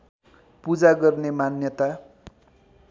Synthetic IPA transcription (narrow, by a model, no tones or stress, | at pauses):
pud͡zaɡʌrnemanjʌt̪a